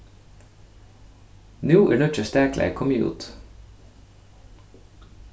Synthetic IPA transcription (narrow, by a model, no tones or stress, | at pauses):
nʉːʔɪ̰ːɳɔt͡ʃəst̪æːkʰlʔæ̰kʰɔmjṵːt̪